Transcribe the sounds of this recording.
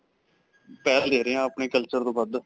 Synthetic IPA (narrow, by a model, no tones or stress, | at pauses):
pɛːld̪eːɾeːãːəpɳeːkəlt͡ʃəɾt̪õːbad̪